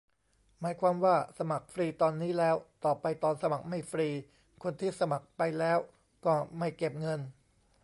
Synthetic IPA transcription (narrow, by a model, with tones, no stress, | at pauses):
maː˩˦jkʰwaː˧mwaː˥˩sa˧ma˨˩k̚fɾiː˧t̪ɔː˧nːiː˦˥lɛː˦˥wt̪ɔː˨˩pa˧jt̪ɔː˧nsa˧ma˨˩k̚ma˥˩jfɾiː˧ | kʰo˧nt̪ʰiː˥˩sa˧ma˨˩k̚pa˧jlɛː˦˥w | kɔː˥˩ma˥˩jke˨˩p̚ŋɤ˧n